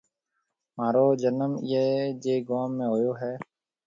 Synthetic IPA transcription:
maːɾoːd͡ʒənəmɪeːd͡ʒeːɡoːmːẽːɦoːjoːɦɛː

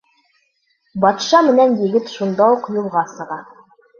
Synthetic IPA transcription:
bɒt̪ʃɑmɘ̆nænjɘ̆ɡɘt̪ʃund̪ɑuqjulˠʁɑsɤ̆ʁɑ

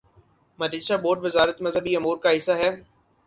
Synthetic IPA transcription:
mɐd̪ɪʃaboːʈʋɪzaːɾət̪mɐzɦəbiɐmuːɾkaɦɪsːaɦɛː

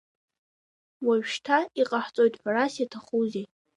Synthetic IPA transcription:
waɥʃtʰaiqʼaħt͡sʼo̞jtʼħʷᶣarasjatʰaχuze

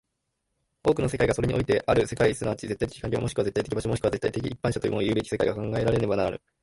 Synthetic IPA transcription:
o̞ːkɯno̞sekaiɡasoɾe̞ɲiʔo̞̰it̪e̞ʔaɾɯ̟se̞kaisɨnaβat͡ɕize̞t̪ːait̪e̥ki̥kãɲʲɾʲiamo̞ɕi̥kɯaze̞t̪ːajt̪ek̬ʲibaɕo̞mo̞ɕkɯβaze̞t̪ːait̪e̞kʲḭipːãɕat̪o̞jɯ̰moojɯ̟ːbe̞kʲi̥se̞kaiɡakãŋɡae̞ɾaɾe̞ne̞banaɾaɾɯ̟̰

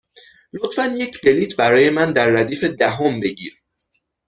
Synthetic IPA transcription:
lot̪fænje̞cʰbe̞liːt̪ʰbæɾɒːje̞mænd̪æɾːæd̪iːfe̞d̪æɦombe̞ɟḭːɾ

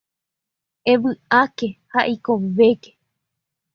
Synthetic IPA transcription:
eʋɨake̞haʔikoʋeke̥

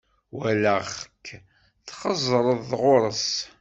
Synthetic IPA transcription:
wælæχkʰː | θqəzˤɾˤəðːʁʊɾˤəs

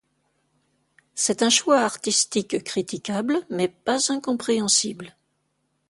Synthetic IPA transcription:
sɛt̪ɛ̃ʃwaaʁt̪ist̪ikkχit̪ikʲablmɛpazɛ̃kɔ̃pχeɑ̃sibl

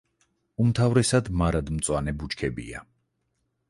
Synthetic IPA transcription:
umt̪ʰavɾɛsad̪maɾad̪mt̪sʼwanɛbut͡ʃkʰɛbḭa̰

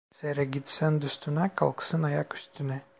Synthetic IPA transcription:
seɾɛɡit̪sænd̪yst̪ʰynakʰa̰lˠkɯ̥sɯnajaky̥st̪ʰynɛ

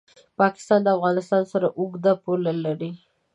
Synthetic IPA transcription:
pɑkɪ̥st̪ɑnd̪əafɣɑnɪst̪ɑnsaɾaʔʊɡd̪apolalaɾi

